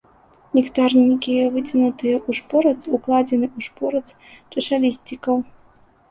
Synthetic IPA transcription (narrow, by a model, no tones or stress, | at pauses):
nʲikt̪arnʲikʲivɨt͡sʲinut̪ɨjɐʔuʂpɔɾɐt̪suklˠad͡zʲɛnɨuʂpɔɾɐt̪s | t͡ʂɛʂalʲisʲt͡sʲikɐw